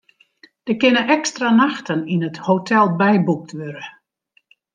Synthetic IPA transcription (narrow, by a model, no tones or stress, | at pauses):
d̥əkɪnəʔɛkstranaxtʰəninəthotʰɛlˠbɛjbuk̚tʰʋøɾə